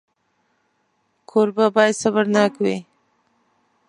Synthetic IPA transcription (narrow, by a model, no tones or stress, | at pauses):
kʰoɾbabɑjad̪sabaɾnakwḭ